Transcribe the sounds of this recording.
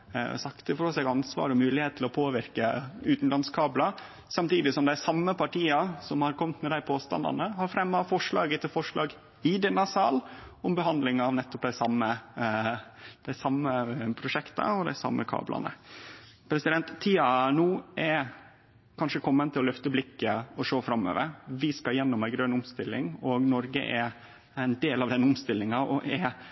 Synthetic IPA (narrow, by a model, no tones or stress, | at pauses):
sɑkt̪əfɔɾɔsɛɡɑnsʋɑ̰ːɾɔmʉːlɪheːt̪ʰlɪlɔpʰoːʋɪɾkəʉːt̪n̩lɑnskʰɑːblɑ | sɑmt̪iːd̪ɪsɔmd̪æɪsɑmːəpɑʈiːɑsɔmhɑɾkʰɔmt̪mɛd̪æɪpʰoːst̪ɑ̰nd̪ɑ̰nəhɑɾfɾɛmːɑfɔʂɭɑːɡət̪ʰɪlfɔʂɭɑːɡ | ɪd̪ɛnɑsɑːlʊmbəɦɑnd̪lɪŋɑʋnɛt̪ːɔp̚d̪æɪsɑmːə | d̪̥æɪsɑmːəpʰɾʊʂɛkt̪ɑ̰ɔd̪æ̰ɪsɑ̰mːəkʰɑ̰ːblɑ̰nə̰ | pʰɾɛsɪd̪ɛnt̪t̪ʰːiːɑnuːʔɛɾ | kʰɑnʂəkʰɔmːənt̪ʰɪlɔlœft̪əblɪkːəɔʂoːfɾɑmːø̰ːʋə̰ɾʋɪskɑjɛnːɔmæɪɡɾønʊmst̪ɪlːɪ̰ŋɔɡnɔɾɡə̰ʔɛɾ | æɪnd̪eːlɑʋd̪ɛnːəʊmst̪ɪlːɪŋɑʔɔʔɛ